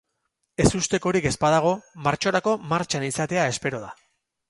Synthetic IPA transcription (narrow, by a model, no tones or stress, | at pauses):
e̞sust̪e̞ko̞ɾike̞spaðaɣ̞o̞maɾt͡ʃo̞ɾako̞maɾt͡ʃanisat̪e̞ae̞spe̞ɾo̞ð̞a